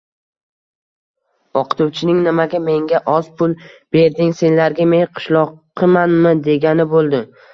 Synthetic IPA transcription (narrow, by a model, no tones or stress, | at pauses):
ɒqʰɨ̥t̪ʰuwt͡ʃʰɪnɪŋnɪmaɡʲame̞ŋɡʲaʔɒz̥pʰʊlˠb̥e̞ɾd̪ɪŋse̞nlaɾɡʲameŋqʰɨ̥ʃlˠɒqʰː | ɨmanmɪd̪e̞ɡʲanɪbolˠd̪ɪ